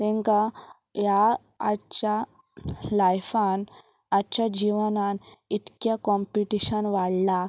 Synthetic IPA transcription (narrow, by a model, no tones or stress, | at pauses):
t̪ẽŋka | jaː | t͡ɕa | lajfan | at͡ɕad͡ʑiʋənanit̪kjakɔmpiʈiɕənʋaɽla